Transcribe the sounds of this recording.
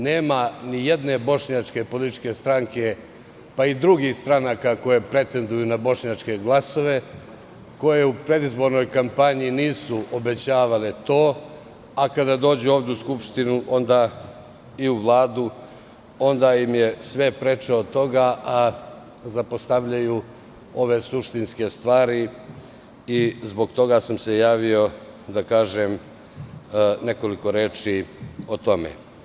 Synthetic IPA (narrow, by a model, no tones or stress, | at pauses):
neːmanije̞d̪ne̞bo̞ʂɲat͡ʂke̞po̞lit̪t͡ʃke̞st̪ɾaŋke̞ | paid̪ɾuɡixst̪ɾanakako̞je̞pɾe̞t̪e̞nd̪ujunabo̞ʃɲat͡ʃke̞ɡlˠaso̞ʋe̞ | ko̞je̞upɾe̞d̪izbo̞ɾno̞jkampaɲiniːsuobe̞t͡ɕaːʋalet̪o̞ː | akad̪ad̪o̞ːd͡ʑeoːʋd̪euskupʂt̪inuʔo̞nd̪a | iuʋlˠaːd̪u | o̞nd̪aimje̞sʋe̞pɾe̞t͡ʂeot̪o̞ɡaʔa | zapost̪aʋʎaju | o̞ʋe̞suʂt̪inske̞st̪ʋaːɾi | izbo̞ɡt̪o̞ɡasamse̞jaːʋio̞ | d̪akaːʒem | ne̞ko̞liko̞ɾeːt͡ʂiot̪o̞mḛ